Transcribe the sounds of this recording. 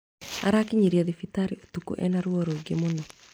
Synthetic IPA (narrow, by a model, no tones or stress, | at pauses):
a̰ɾakɪɲiɾjɔðifitaɾiot̪ukṵʔɛ̰naɾwoɾoɡɪmʊnɔ